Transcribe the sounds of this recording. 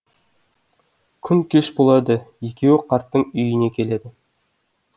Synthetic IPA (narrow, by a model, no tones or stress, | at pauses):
kʲʰʏnkʲʰeʃbolˠɑd̪əje̞kʲe̞wɪqʰɑɾt̪ːəɴʏjɪne̞kʲʰe̞le̞d̪ɪ